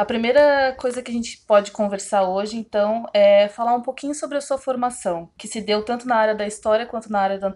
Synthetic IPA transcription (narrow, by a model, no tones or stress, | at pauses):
ɐpɾimejɾɐkojzɐkɪaʒẽnt͡ʃɪ̥pɔd͡ʒɪkõveɾsaɾoʒɪẽnt̪ɐ̃w̃ɛfalaɾũpokĩɲʊsobɾɪɐsuɐfoɾmasɐ̃w̃kɪsɪd̪ewt̪ɐ̃nt̪ʊnɐaɾjɐd̪ɐist̪ɔɾiɐkwɐ̃nt̪ʊnɐaɾjɐd̪ɐ̃